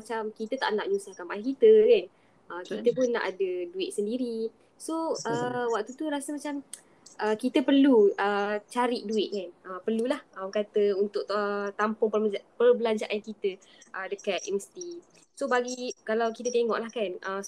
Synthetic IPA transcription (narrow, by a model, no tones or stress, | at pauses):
mat͡ʃamkit̪ət̪a̰ʔnaʔɲusahkanmajahkit̪əkan | ʔəkit̪əpʊnːã̰ʔadəduɪʔ̚səndiɾi | soʔəwak̚t̪ut̪uɾasəmat͡ʃam | ʔəkit̪əpərluət͡ʃaɾiʔ̚duɪʔ̪̚kanʔəpərlulahʔawkat̪əunt̪ʊkət̪ampʊŋpərpərbəlaɲd͡ʒaʔankit̪ə | ʔədəkat̪̚ʔɛmst̪i | sobaɡikalawkit̪ət̪eŋɔ̰ʔlahkanʔə